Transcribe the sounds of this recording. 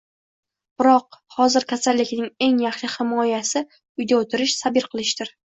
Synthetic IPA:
b̥ɪɾɒqhɒzɪɾkʲʰasalːɪkʲnɪŋe̞ŋjaχʃɪhɪmɒjasɪ | ʊjd̪aot̪ʰɪɾɪʃsabɪɾqʰɨlˠɪʃt̪ɪɾ

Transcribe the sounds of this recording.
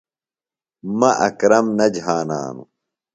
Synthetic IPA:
mɐʔɐ̰kɾɐmnɐd͡ʑɦaːna̰ːnṵ

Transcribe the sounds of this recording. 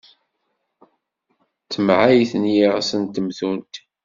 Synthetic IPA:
t͡sːəmʕajθənjiʁsənt̪ːəmθunt̪

